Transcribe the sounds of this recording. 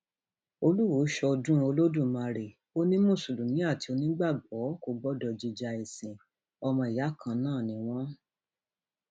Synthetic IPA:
o˧lu˦wo˨˦ʃɔ˧dũ˦o˧lo˦dũ˦˨mã˧ɾe˨ | o˦nĩ˦mũ˦˨su˨lu˨nĩ˨˦a˦˨ti˧˦o˧nĩ˦ɡ͡ba˦˨ɡ͡bɔ˨˦ko˦˨ɡ͡bɔ˦dɔ˧d͡ʒi˧d͡ʒa˨e˨sĩ˨ | ɔ˧mɔ̃˧i˨ja˨˦kʰã˧nãː˦˨nĩ˨˦w̃ɔ̃˦

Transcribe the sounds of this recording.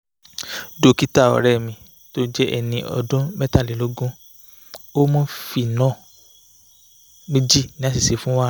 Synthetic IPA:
do˧˦ki˦ta˦˨ɔ̰˨ɾɛ˦˨mĩ˨ | to˦d͡ʒɛ˦ʔɛ˧nĩ˧ʔɔ̰˨dũ˦mɛ˦ta˦˨li˨lo˦ɡũ˦ | o˦mũ˦fi˨nã˦˨ | mĩ˦d͡ʒi˦˨nĩ˦a˦si˨se˨˦fũ˦wa˦

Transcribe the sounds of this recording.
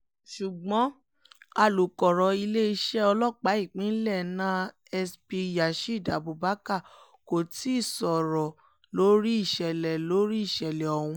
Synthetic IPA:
ʃu˨ɡ͡bɔ̃˨˦ | a˧˨lu˨kɔ˨ɾɔ˨i˧le˦i˧ʃɛ˦ɔ˧lɔ˦˨k͡pa˨˦i˦˨k͡pĩ˨˦n̩˦lɛ˦˨nã˦ | ɛ˧spi˧ja˨ʃi˦˨da˨bu˨ba˨˦ka˦˨ | ko˨ti˨˦˨sɔ˨ɾɔ˨ | lo˨˦ɾi˦i˦˨ʃɛ˨lɛ˨lo˨˦ɾi˦i˦˨ʃɛ˨lɛ˨ɔ˨wũ˧

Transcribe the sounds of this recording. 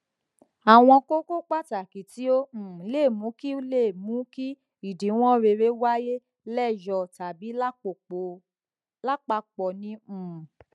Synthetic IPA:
a˨w̃ɔ̃˧ko˦ko˦k͡pa˦˨ta˨ki˨ti˨˦õ˦˨˦le˦˨mũ˨˦ki˦le˦˨mũ˨˦ki˦ | i˨di˨˦w̃ɔ̃˦ɾe˧ɾe˦wa˦je˦ | lɛ˦˨jɔ˨ta˨bi˨˦la˦k͡po˨k͡po˨˦ | la˦k͡pa˧k͡pɔ˨nĩ˧˦ũ˨

